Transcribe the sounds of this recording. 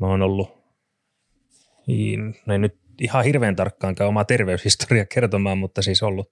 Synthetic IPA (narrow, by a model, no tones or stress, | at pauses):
moːnolːu | ḭnnennyt̪ | ihɑhirʋeːnt̪ɑrkːɑːŋkæyomɑt̪erʋeyshist̪o̥riɑkert̪omɑːmmut̪ːɑsiːsolːu